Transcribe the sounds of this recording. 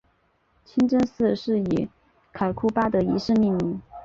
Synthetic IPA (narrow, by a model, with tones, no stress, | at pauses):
t͡ɕʰi˥nʈ͡ʂə˥ŋsɹ̩˥˧ʂɻ̩˥˩i˨˧˥ | kʰa˨˩ɪkʰu˥˩pa˥d̪ə˨i˧˥ʂɻ̩˥˧mi˥˧ŋmi˧˥˩ŋ